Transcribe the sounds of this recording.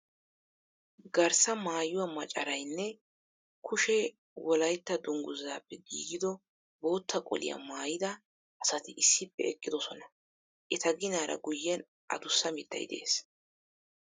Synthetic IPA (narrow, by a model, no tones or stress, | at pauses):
ɡɐɾsɐmaːjʊwɐmɐt͡ʃʼɐɾɐjnːɛ | kʰʊʃɛ | wɔlɐjt̪ːɐd̪ʊŋɡʊzːaːpːɛɡḭːɡɪd̪ɔ | bo̞ːt̪ːɐkʼɔ̰lɪ̰jɐ̰maːjɪd̪ɐ | ʔɐsɐt̪ɪʔɪsːɪpːɛɛkʼːɪd̪ɔsɔnɐ | ʔɛt̪ɐɡɪnaːɾɐ̰ɡʊjːɛn | ʔɐ̰d̪ʊsːɐmɪd̪ːɐ̰jd̪ḛːs